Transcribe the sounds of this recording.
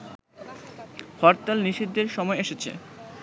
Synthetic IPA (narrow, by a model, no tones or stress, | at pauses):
fɔɾt̪alniʃid̪ːeɾʃɔmɔeeʃet͡ɕʰḛ